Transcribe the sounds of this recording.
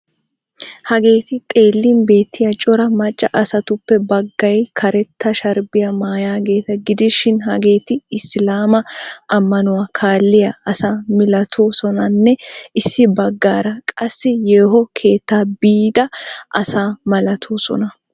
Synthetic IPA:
hɐɡe̞ːt̪ɪt̪ʼe̞ːlːinbe̞ːt̪ʰːɪjɐt͡ʃʼɔɾɐmɐt͡ʃʼːɐʔɐsɐt̪ʊpːɛbɐɡːɐjkʰɐɾɛt̪ːɐʃɐɾbɪjɐmaːjaːɡe̞ːt̪ɐɡɪd̪ɪʃɪnɦɐɡe̞ːt̪ɪɪslaːmɐʔɐmːɐnʊwaːkʰaːlːɪjɐɐsaːmɪlɐt̪ʰoːsɔnɐnːɛɪsːɪbɐɡːaːɾɐkʼɐsːɪjeːɦɔkʰe̞ːt̪ːaːbiːd̪ɐʔɐsaːmɐlɐt̪ʰoːsɔ̰nɐ

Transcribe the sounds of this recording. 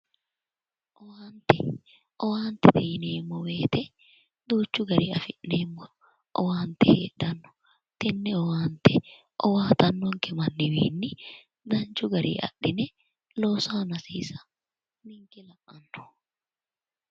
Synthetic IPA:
ʔɔwaːnt̪ɛ | ʔɔwaːnt̪ɛt̪ɛjneːmːɔweːt̪ɛ | d̪uːt͡ʃːʊɡɐɾiːɐfɪʔneːmːɔ | ʔɔ̰waːnt̪ɛhḛːdɐnːɔ̥ | t̪ɛnːɛɔwaːnt̪ɛ | ʔɔwaːt̪ɐnːɔŋkɛmɐnːɪwḭːnːɪ | d̪ɐnt͡ʃːʊɡɐɾḭːʔɐ̰ɗːɪnɛ | loːsaːnɐsiːsɐ̥ | mɪŋkɛlɐʔɐnːɔ̥

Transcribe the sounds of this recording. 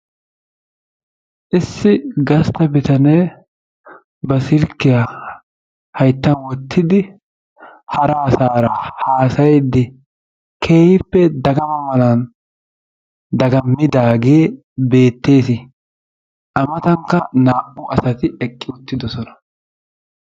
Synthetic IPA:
ʔɪsːɪɡɐst̪ɐbɪt̪ɐneː | bɐsɪlkːɪja | hɐjt̪ːɐnwɔt̪ʰːɪd̪ɪ | hɐɾɐːsaːɾɐhaːsɐjɛd̪ːɪ | kʰeːhɪpːɛd̪ɐɡɐmɐmɐlɐn | d̪ɐɡɐmːɪd̪aːɡeː | be̞ːt̪ːe̞ːsɪ | ʔɐmɐt̪ɐŋkːɐnaːʔʊɐsɐt̪ɪɛkʼːɪʊt̪ːɪd̪ɔsɔnɐ

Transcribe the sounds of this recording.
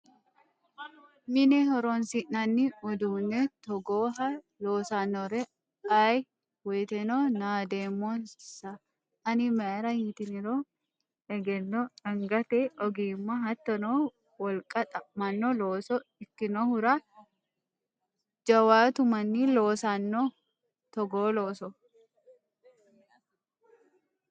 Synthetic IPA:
mɪnɛɦɔɾɔnsinɐnːiɔd̪uːnːɛt̪ɔɡoːɦɐ | loːsanːɔɾɛ | aːj | wɛːt̪ɛnoːnaːd̪eːmːonsɐ | ɐnɪmɐːɾɐjit̪ɪnɪɾoː | ɛɡɛnːɔɐŋɡɐt̪ɛɔɡiːmːaɦɐt̪ːɔnoː | wɐlkʼɐt̪ʼɐmɐnːɔloːsɔɪkːɪnohʊɾa | d͡ʒɐwaːt̪ʊmɐnːiloːsanːo | t̪ɔɡoːloːsɔ

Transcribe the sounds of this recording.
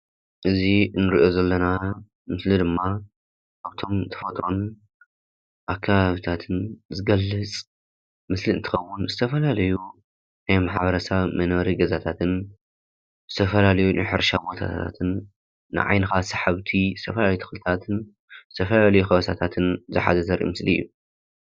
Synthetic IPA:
ʔɨzinɨɾiʔozɐlːɐna | mɨslid̪ɨmːa | ʔaβt̪ʰo̞mt̪ʰɐ̥fɐt̪ʼɾon | ʔakʰːaβaβit̪ʰat̪ʰɨnzɨɡɐlːɨt͡sʼ | mɨsliɨnt̪ʰɨ̥xɐwːʊnzɨt̪ʰɐfɐlalɐju | najmaħβɐɾɐsaβmɐnβɐɾiɡɐzat̪ʰat̪ʰɨn | zɨt̪ʰɐfɐlalɐjuna̰jħɨɾʃabo̞t̪ʰa̰t̪ʰa̰t̪ʰɨnː | ɨ̰ʕa̰jnɨxasaħaβt̪ʰizɨt̪ʰɐfɐlalɐjut̪ʰɐ̥xlɨt̪ʰat̪ʰɨn | zɨt̪ʰɐfɐlalɐjuxɐβɐsʰat̪ʰat̪ʰɨnzɨħa̰zɐzɐɾʔḭmɨsliɨ̰jːu

